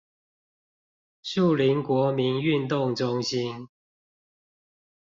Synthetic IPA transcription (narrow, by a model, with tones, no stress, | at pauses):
ʂu˥˨li˨˦nkwɔ˨˥mi˨˦ny˥˨nt̪ʊ˥˨ŋʈ͡ʂʊ˦ŋɕi˦n